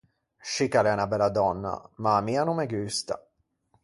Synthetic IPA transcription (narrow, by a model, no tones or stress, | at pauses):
ʃikalɛnabɛlad̪ɔnːa̰mamianumɛɡyːst̪a̰